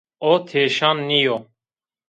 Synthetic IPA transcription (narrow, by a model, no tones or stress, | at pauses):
oːt̪ʰeːʃaːnːijo